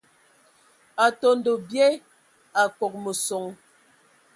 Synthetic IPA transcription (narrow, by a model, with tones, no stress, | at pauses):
a˨to˨n̩˦do˨bjɛ˦ | a˨kɔ˨k̚mə˨so˨ŋ